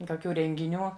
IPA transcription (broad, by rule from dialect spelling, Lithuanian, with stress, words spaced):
koːˈkʲuː rʲɛŋʲɡʲɪˈnʲuː